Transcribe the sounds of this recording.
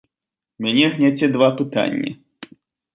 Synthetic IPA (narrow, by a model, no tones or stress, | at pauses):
mʲanʲɛɣnʲat͡sʲɛd̪vapɨt̪a̰nʲːḭ